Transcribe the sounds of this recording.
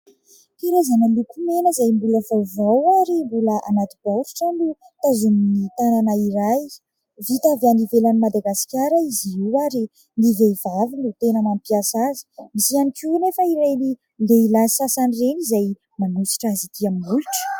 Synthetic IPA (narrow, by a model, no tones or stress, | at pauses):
piɾazananukumenəzajmbuləv̥avawaɾimbuləʔanat̪ibawɾi̥ʈ͡ʂanu | t̪azuminit̪ananaiɾaj | vit̪avanivelanimad̪aɡasi̥kʲaɾaiziiwaɾi | nivevavinut̪enamampiasazi̥misianikinefəiɾajli | leilasasanirenizaj | manusi̥ʈ͡ʂazit̪iaminuluʈ͡ʂə̥